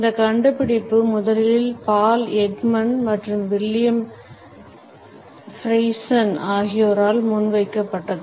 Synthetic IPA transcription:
ɪnd̪ɐkɐɳɖɯpːɪɽɪpːɯmʊðɐlɪlɪlpaːlɛɡmɐnmɐʈrɯmʋɪljɐm | fɾɐɪsɐnaːɣɪjoːɾaːlmʊnʋɐɪkːɐpːɐʈːɐðɯ

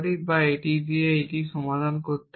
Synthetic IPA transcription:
ɾibaeʈid̪ieejʈiʃɔmad̪ʱankoɾt̪e

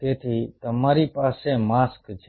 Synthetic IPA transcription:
t̪et̪ʰit̪əmaɾipasemaskt͡ʃʰe

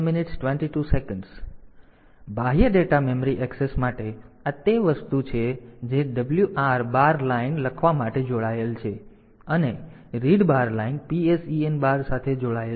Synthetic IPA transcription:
mɪnɪʈsʈʋeɳʈiʈusekəɳɖs | bʱaɦjəɖeʈamemɾiʔɛksesmaʈeat̪eʋəst̪ut͡ʃʰed͡ʒeɖəbljuʔaɾbaɾlainləkʰʋamaʈed͡ʒoɭaelt͡ʃʰe | əne | ɾiɖbaɾlainpiesienbaɾsat̪ʰed͡ʒoɭae

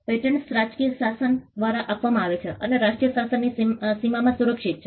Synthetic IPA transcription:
eʈəɳsɾad͡ʒkijəsasənd̪ʋaɾaʔapʋamãaʋet͡ʃʰeʔəneɾaʂʈɾijəsasənːisimamãsuɾəkʂit̪̚t͡ʃʰe

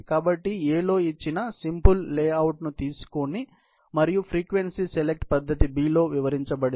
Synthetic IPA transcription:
kaːbɐʈːieːlo̞ːit͡ʃːinɐsimpulːeːɐwʈnut̪iːsu̥koni | mɐɾijupʰɾiːkʋe̞nsiselek̚ʈpɐd̪ʱːɐt̪ibiːlo̞ːʋiʋɐɾiɲt͡ʃɐbɐɽi

